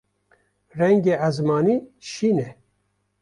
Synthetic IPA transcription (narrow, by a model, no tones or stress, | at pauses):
rɛŋɡeːʔæzmɑːniːʃiːnɛ